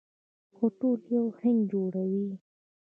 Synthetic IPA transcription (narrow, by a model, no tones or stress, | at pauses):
xoʈoljawheŋɡd͡ʒoɽawi